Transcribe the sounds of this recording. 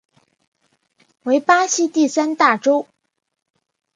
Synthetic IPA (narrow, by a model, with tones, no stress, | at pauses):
we˧˥ɪpa˥ɕi˥t̪i˥˩sa˥nt̪a˥˩ʈ͡ʂo˥ʊ